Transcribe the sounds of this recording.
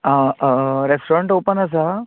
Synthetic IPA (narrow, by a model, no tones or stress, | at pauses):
ãɾesʈoɾeɳʈopənas̬a